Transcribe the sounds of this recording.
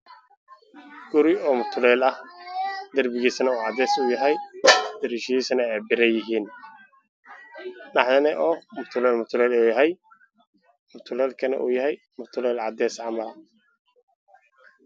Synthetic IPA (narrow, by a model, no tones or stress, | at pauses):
ɡ̥ʊɾɪɔːmʊt̪ʰʊlɛːlɐh | d̪ɐrbɪɣiːsɐnɐuːʕɑd̪ɛːsuːjɐɦɛjd̪̥ɐɾiʃɛjiːsɐnɛɛbɪɾɐjɪɦiːn | nɑħjɐnɛʔɔːmʊt̪ʰʊlɛːlmʊt̪ʰʊlɛːlɛːjɐɦɛj | mʊt̪ʰʊlɛːlkʰɐnɐ̰ʔṵːjɐɦɛj | mʊt̪ʰʊlɛːlʕɑd̪ɛːsʕɑmɐlɐ